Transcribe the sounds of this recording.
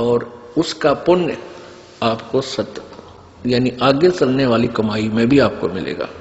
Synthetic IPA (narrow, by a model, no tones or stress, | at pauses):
ɔːɾ | ʊskapʊn | aːpkosɐt̪ | jaːniʔaːɡjəsɐlneʋaːlikɐmaːimẽbʱiaːp̚komɪ̰lḛːɡa̰ː